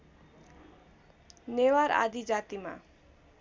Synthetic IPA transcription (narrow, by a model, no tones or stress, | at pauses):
newaɾa̰d̪id͡ʒat̪ima̰